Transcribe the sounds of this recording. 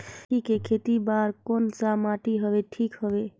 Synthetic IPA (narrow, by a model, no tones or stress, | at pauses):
ikekʰet̪ibaɾkont͡ʃamaʈiɦəbeʈʰikɦəbe